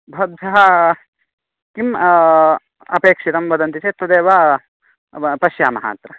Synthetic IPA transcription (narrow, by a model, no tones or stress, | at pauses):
bʱɐd̪ʱɐɦɐ | kim | ɐ̰peːkʂiɾɐmʋɐd̪ɐnt̪it̪eːt̪ːɐd̪eːʋa | pɐʃjaːmɐɦa̰ːt̪ɾɐ